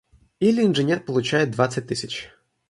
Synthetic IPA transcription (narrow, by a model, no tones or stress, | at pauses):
ilʲinʐenʲɛrpɔlˠʊt͡ʃajɛd̪ʋat̪sʲːɐt̚ʲt̪ɪsʲɐt͡ʃ